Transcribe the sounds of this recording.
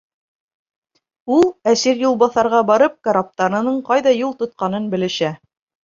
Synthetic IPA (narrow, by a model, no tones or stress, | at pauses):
ulˠæsiɾjulˠbɑθɑɾʁɑbɑɾɤp̚kaɾap̚t̪ɑɾɤ̆nɤɴqɑjðɑjulˠt̪ŏt̪̚qɑnɤnbɘ̆lɘ̆ʃæ